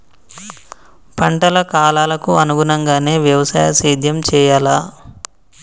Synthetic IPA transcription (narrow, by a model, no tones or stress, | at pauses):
pɐɳʈɐlɐkaːlaːlɐkuɐnuɡunɐŋɡaːne̞ːʋjɐʋɐsa̰ːjɐsiːd̪ʱjɐmt͡ʃɛːjaːlaː